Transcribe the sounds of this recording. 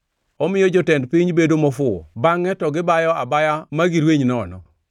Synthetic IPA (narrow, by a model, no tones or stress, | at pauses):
ɔmɪjɔd͡ʒɔtɛndpɪɲbedomɔfʊɔ̰baŋɛtɔɡɪbajɔabajamaɡiɾweɲnɔːnɔ̰